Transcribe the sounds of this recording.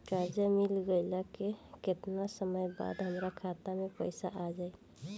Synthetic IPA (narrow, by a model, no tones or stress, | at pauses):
ʈaɾd͡ʒəmilɡəlakeket̪nasəməjba̰d̪ɦəmɾakʰat̪amepəɪsaʔad͡ʒaj